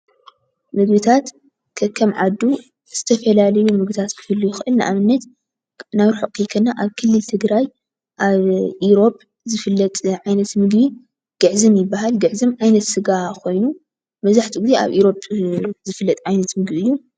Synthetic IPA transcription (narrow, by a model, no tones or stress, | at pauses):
mɨɡbit̪ʰat̪ | kʰɐkʰːɐmʕad̪u | z̥ɨt̪ʰɐfɐlalɐjumɨɡbit̪ʰat̪kʰɨ̥fɨlːujuxɨʔɨlnɨʔamɨnːɐt̪ | naβɾuħɨkʼːɨkʰɐnːaʔaβkʰɨlːɨlt̪ʰɨɡɾaj | ʔaβʔiɾo̞pʼ | zɨfɨlːɐt̪ʼʕajnɐt̪mɨɡbi | ɡ̥ɨʕzɨmjɪbːahalɡɨʕzɨmʕajnɐt̪sɨɡakʰo̞jnu | mɐzaħt̪ʰiɡizeʔa̰βʔiɾo̞pʼzɨfɨlːɐt̪ʼʕajnɐt̪mɨɡbiɨjːu